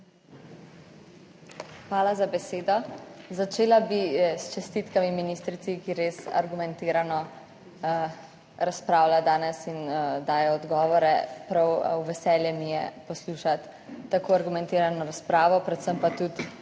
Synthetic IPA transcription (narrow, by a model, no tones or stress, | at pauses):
xʋaːlazabɛseːd̪ɔzat͡ʃeːlabist͡ʃɛst̪it̪kamiminiːst̪ɾit̪sikiɾesa̰ɾɡumɛnt̪iːɾanɔ | ɾaspɾaːwlad̪aːnɛsind̪aːjɔːd̪ɡɔːʋɔɾɛpɾawwʋɛsɛːljɛmijɛ̰pɔsluːʃat̪ː | akoaɾɡumɛ̃nt̪eːɾanɔɾaspɾaːʋɔpɾɛt̪səmpat̪ut̪